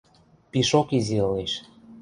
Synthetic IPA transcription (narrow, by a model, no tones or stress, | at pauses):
piʃokiziɤ̆leʃ